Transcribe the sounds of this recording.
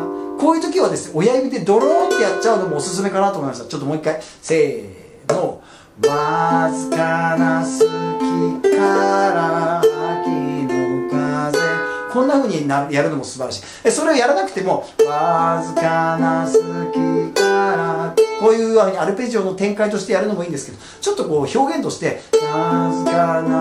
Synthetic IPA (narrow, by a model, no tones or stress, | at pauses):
ko̞ːjɯ̟ːt̪o̞kʲiβad̪e̞sɨneojaibʲid̪e̞d̪o̞ɾoːt̪ːe̞jat͡ɕt͡ɕːaɯ̟nomo̞ːsɨs̬ɨme̞kanat̪oːmoimaɕt̪at͡ɕo̞t̪ːomo̞ːikːai | se̞ː | no | mazɨkanasɨkʲikaɾaakʲinõŋkazẽkõ̞nːaɸɯ̟ːɲ̟inajaɾɯ̟no̞mo̞sɨbaɾaɕi̥ | eso̞ɾe̞ojaɾanakɯ̟t̪e̞mo̞mazɨkanasɨkʲikaɾakoːjɯ̟ːaɡɯɲʲiaɾɯ̟peʑio̞ːnot̪ẽ̞ŋkait̪o̞ɕi̥t̪e̞jaɾɯ̟no̞mo̞iːnd̪e̞sɨ̥ke̞d̪o | t͡ɕo̞t̪ːo̞ko̞ːço̞ːɡẽ̞nt̪o̞ɕi̥t̪e̞mazɨkana